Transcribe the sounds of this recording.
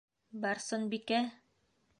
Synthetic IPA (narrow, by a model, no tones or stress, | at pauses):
bɑɾsɤ̆nbikæ